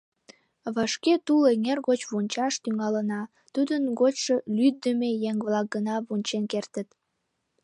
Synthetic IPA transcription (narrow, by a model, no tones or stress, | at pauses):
βɑʃket̪uleŋerɣot͡ɕβunʲt͡ɕɑʃt̪yŋɑlənɑ | t̪ud̪ənɡot͡ɕʃəlyd̪əmejeŋβlɑk̚ɡənɑβunʲt͡ɕenkert̪ət̪